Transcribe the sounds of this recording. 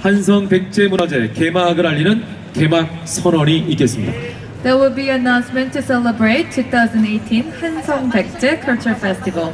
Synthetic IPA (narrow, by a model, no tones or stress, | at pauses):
hansʰʌŋpek̚t͡ɕ͈e̞munad͡ʑekemaɡɯɾaʎːinɯn | kemak̚sʰʌnʌniit̚k͈es͈ɯmɲida̰ | ðewɪlbinãʊ̃nsmɛ̃ntʰːusɛləbɹeɪt̚tʰːuθaʊzə̃ndetʰĩnhansʰʌŋpek̚t͡ɕekʰʌ˞t͡ʃʰə˞fɛstivəlˠ